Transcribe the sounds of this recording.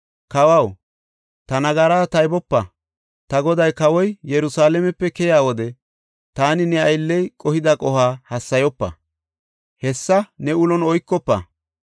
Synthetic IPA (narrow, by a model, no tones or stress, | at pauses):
kɐwɐw | t̪ɐnɐɡɐɾaːt̪ɐjbɔpːɐ | t̪ɐɡɔd̪ɐjkɐwɔjjɛɾʊsaːlɛmɛpːɛkɛjaːwɔd̪ɛ | t̪aːnɪnɛɐjlːɛjkʼɔhɪd̪ɐkʼɔhaːhɐsːɐjɔpːɐ̰ | hɛsːɐnɛʊlɔnɔjkːɔpːɐ̰